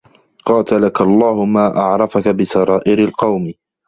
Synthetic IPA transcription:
qɑːt̪alakaʔɑlˤːɑːhʊmaːʔɑʕɾˤɑfakabɪsɑɾˤɑːʔɪɾalqɑwmɪ

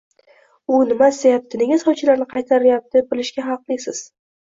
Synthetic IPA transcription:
ʊnɪmasd̪ejap̚t̪ʰɪne̞ŋʲasɒwt͡ʃʰɪlaɾnɪqʰɑjt̪ʰaɾɪjap̚t̪b̚bɪlɪʃɡʲaɦɑqlˠɪsɪz̥

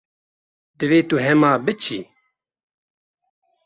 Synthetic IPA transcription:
d̪ɨveːt̪uɦɛmaːbɨt͡ʃʰiː

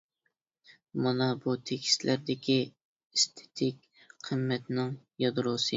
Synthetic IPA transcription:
mɑnɑbut̪ʰekʲʰi̥slʔæɾd̪ɪkʲi | est̪ʰe̥t̪ʰɪkʲ | qʰəmːɛt̪nɪŋ | jɑd̪ɾosɨ

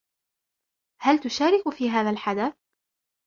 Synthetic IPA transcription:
halt̪ʊʃaːɾɪkʊfiːɦaːðalħad̪aθ

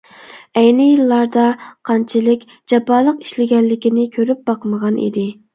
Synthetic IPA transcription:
ɛjnɪjilˠːɑɾd̪ɑqʰɑnt͡ʃʰilɪkʲ | d͡ʒɑpɑːlˠəqi̥ʃlɪɡʲɛnːɪkʲinɪkʲʰøɾyp̚bɑqməʁɑnʔḭd̪ɪ

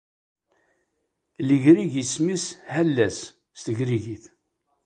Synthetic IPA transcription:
ləʝɾiʝismishælːæsː | t̪əʝɾiʝiθ

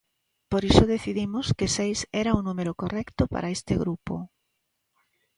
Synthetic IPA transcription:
poɾisʊðeθiðimʊskesejsɛɾaunumeɾokorɛkt̪ʊpa̰ɾʔaest̪eɣɾupo̰

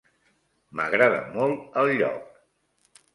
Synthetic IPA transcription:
mə̰ɣɾaðə̰mɔlˠt̪əlˠʎɔ̰k̚

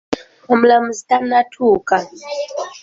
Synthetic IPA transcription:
ɔm̩lamuzitanatʰuka

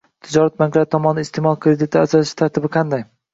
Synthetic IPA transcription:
t̪ʰɪd͡ʒɒɾat̪maŋqlat̪ʰːɒmɒnd̪aɪst̪ʰemɒlˠkʰɾed̪ɪt̪ʰɪasɒlɪʃɪ̥t̪ʰaɾt̪ʰɪbɪqʰɑnd̪aj

